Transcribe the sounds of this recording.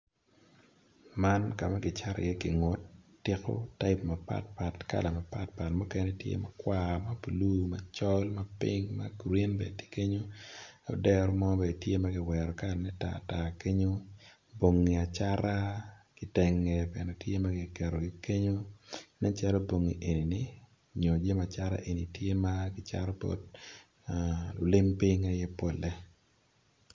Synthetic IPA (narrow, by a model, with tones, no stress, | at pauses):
ma˦nka˨ma˦ɡɪ˨t͡ʃa˦ɾɔ̰˨jɛ˦kɪ̰˨ŋo˨tː | ɪ˦ko̰˦ta˦ɪpmɐ˨pa̰˦t̚pa˨tka̰˦˨la˨ma˨pa˦t̚pa˨tmu˦kɛ˦nɛ˦tjḛ˦ma˦kwa˦mɐ˦bu˨lu˦mɐ˨t͡ʃɔ˦lmɐ˦pi˦ŋma̰˦ɡɾi˦nbḛ˨te̥˦ke˦ɲo˦ | o̰˨dɛ˦ɾɔ˦mɔ˦be˨tje˦ma˦ɡɪ˨wɛ˨ɾɔ˨ka˦lnɛ˦ta̰˨ta˨ke˦ɲo˦ | bo˨ŋːi˨a˨t͡ʃa˦ɾa˦kɪ˨˦tɛ˨ŋɛ˨pɛ˨nɛ˨tje˦ma˦ɡɪ˨kɛ˨ɾɔ˨ɡɪ˦ke˦ɲo˦nɛ˦t͡ʃɛ˦lɔ˦bo˨ŋːḭ˨ʔe˨ni˨nɪ˦ | ɲo˨d͡ʒe˦ma˨t͡ʃa˦ɾa̰˦ʔe˨ni˨tje˦makɪ˦t͡ʃa̰˦ɾɔ˦po̰˦d̚ | ʊ˨lɪ˦mpi˦ŋa˨jɛ˦po˨lɛ˦